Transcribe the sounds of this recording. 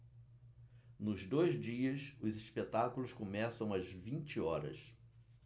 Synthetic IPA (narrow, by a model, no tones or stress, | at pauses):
nʊzd̪ojzd͡ʒiɐsʊziʃpet̪akulʊskomɛsɐ̃w̃ɐzvĩnt͡ʃɪɔɾɐ̰s